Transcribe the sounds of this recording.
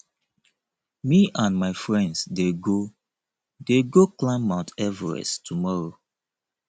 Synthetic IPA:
miʔãnmaɪfɹɛ̃ndsdeɡo | deɡoklãmaʊtɛvə̰ɹɛ̰stʰumɔɹo

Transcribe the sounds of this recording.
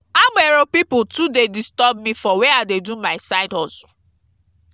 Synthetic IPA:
ameɾopipʊtudedistɔb̚mifɔweadedumaɪsaɪdɔzʊ̥

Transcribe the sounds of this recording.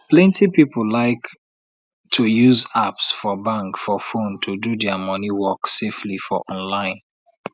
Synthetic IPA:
plɛ̃ntʰipipəllaɪk | tʰujuzapsfɔbãŋkfɔfõntʰududɛəmʌniwɔkseflifɔʔɔ̃nlãɪ̃n

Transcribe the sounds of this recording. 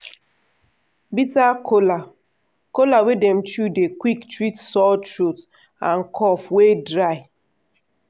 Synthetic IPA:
bitakola | kolawedem̩t͡ʃudekwiktɾitsɔlt͡ʃɾut | ã̰n̩kʰɔfwedɾaɪ

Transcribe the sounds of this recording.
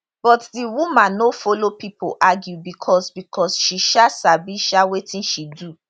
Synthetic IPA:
b̥ɔtdiwumãnːofɔlopipo̰ʔaɡjubikʰɔsbikʰɔsʃiʃasabiʃawetĩnʃidu

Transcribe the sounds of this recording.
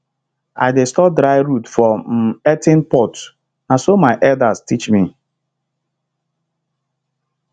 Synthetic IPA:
a̰ɪdestɔp̚dɾaɪɾutfɔm̩ɛtɪnpɔt | nasomaɪʔɛldastit͡ʃmi

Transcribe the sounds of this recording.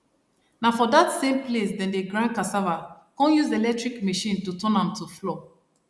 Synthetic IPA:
nafɔdatsẽmplesdɛ̃ndeɡɹãnkasava | kɔ̃njuzelɛk̚tɹikmeʃĩntutɔ̃nãmtuflɔ

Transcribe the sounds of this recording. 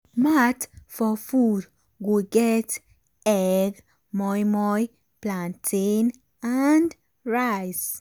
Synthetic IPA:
mat̪fɔfuɾ | ɡuɡɛt̪ | ɛɡ | mɔjmɔj | plant̪ʰin | and̪ | ɾajs

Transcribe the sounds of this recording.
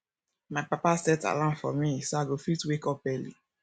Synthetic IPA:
maɪpapasɛta̰lãmfɔ̰misoaɡofitwekɔp̚ɛlḭ

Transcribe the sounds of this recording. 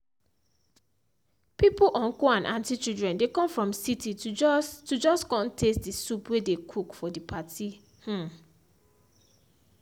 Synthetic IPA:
pipuʔɔ̃ŋkoãnʔãntit͡ʃildɹɛ̃ndekɔ̃mfɹɔ̃msitʰitud͡ʒɔskɔ̃ntʰestdisupwedekʰukfɔdipati | h̩

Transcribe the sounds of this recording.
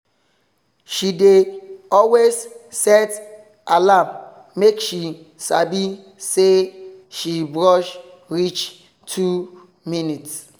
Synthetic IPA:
ʃideɔlwessɛt | ʔalam | mekʃi | sa̰bi | seʃibɹɔʃ | ɹit͡ʃ | tʰu | minits

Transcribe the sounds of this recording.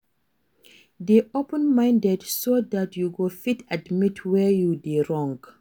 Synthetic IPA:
diʔopə̃nmãɪ̃ndɛdsodatʰjuɡofitʰadmitʰwɛjudiɹɔ̃ŋɡ

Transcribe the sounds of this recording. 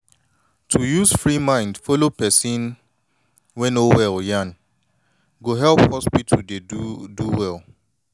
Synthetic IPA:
tʰujuzfɹimãɪ̃ndfɔlopɛsĩn | wɛ̃nowɛljãn | ɡoɦɛlˠphɔspitʰudeduwɛlˠ

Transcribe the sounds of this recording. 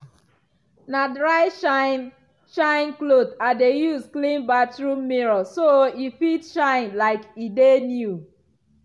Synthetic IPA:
nadɹaɪʃn | ʃãɪ̃nklodadejusklĩnbatɹumiɹɔsoifitʃãɪ̃nlaɪkidenju

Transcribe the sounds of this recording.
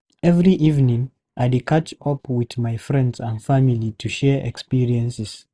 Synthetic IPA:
ɛvɹiʔivnĩŋ | ʔaɪdekʰat͡ʃɔpwiðmajfɹɛ̃ndzãndfamilitʰuʃɛʔɛ̰kspiɹiɛ̃nsɛs

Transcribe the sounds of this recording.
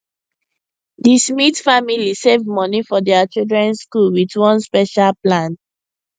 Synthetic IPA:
dismitfamilisevmɔnifɔdɛat͡ʃildɹɛ̃nskulwidwɔ̃nspɛʃalplãn

